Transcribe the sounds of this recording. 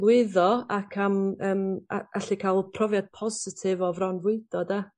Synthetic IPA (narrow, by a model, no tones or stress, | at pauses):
wɪðɔakʰaməːma̰̥aɬikʰalˠpʰrɔvjad̥̚pʰɔzɪtʰɪvɔvrɔnvwɪd̥ɔda